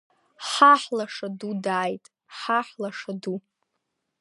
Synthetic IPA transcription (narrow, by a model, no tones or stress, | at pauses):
ħaħlaʂadudaːjtʼ | ħaħlaʂadu